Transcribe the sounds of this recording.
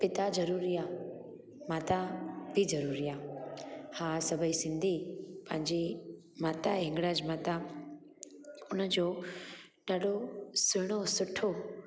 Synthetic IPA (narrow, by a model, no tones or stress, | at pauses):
pɪt̪ad͡ʒəɾuɾija | mat̪abʱid͡ʒəɾuɾija | hãsəbʱəisɪ̃nd̪ʱipãɲd͡ʒi | maːt̪aɪ̃ŋɡɽad͡ʒmat̪a | ʊnad͡ʒo | ɖaɖosɪɽ̃osʊʈʰːo